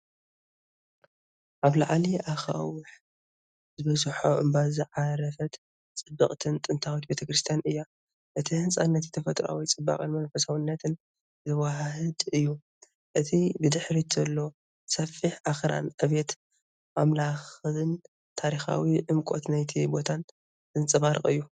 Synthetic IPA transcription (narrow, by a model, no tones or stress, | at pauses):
ʔaβla̰ʕliʔaxa̰wʊħ | zɨβɐzħoʔɨmbazɨʕaɾɐfɐt̪ | t͡sʼɨbɨχʼt̪ʰɨnt̪ʼɨnt̪ʰawit̪be̞t̪ʰɐkɾɨst̪ʰijanɨjːa | ʔɨt̪ʰihɨnsʼanːɐt̪jt̪ʰɐfɐt̪ʼɾa̰wit͡sʼɨbːa̰kʼɨnmɐnfɐsawɨnːɐt̪ʰɨn | ɨwaɦɦɨd̪ɨjːu | ʔɨt̪ʰibɨd̪ɨħɾit̪ʰzɐlːo̞ | sɐfiħʔaxɾa̰nʔɐβet̪ | mamlaxɨɨn | t̪ʰaɾixa̰wiʕɨmkʼot̪najt̪ʰibo̞t̪ʰan | zɨnt͡sʼɨβaɾɨχʼɨjːu